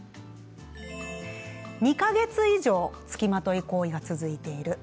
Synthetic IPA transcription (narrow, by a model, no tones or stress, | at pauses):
ɲ̟ikaɡe̞t͡sɨiʑo̞ːt͡sɨ̥kʲimat̪o̞iko̞ːiɡat͡sɨzɨit̪e̞iɾɯ̟